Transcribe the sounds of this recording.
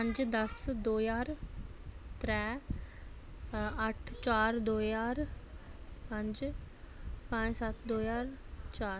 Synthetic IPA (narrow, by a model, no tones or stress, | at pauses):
pə̃ɲd͡ʒd̪ɐsd̪oːjaːɾ | t̪ɾɛ | əʈʰt͡ʃaːɾd̪oːjaːɾ | pə̃ɲd͡ʒ | pãd͡ʒsat̪d̪oːjaːɾt͡ʃaːɾ